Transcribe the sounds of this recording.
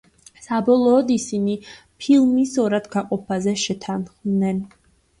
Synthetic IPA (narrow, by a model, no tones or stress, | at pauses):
sabɔlˠɔːd̪isini | pʰilˠmisɔɾad̪ɡaqʼɔpʰazɛʃɛt̪ʰanχd̪nɛn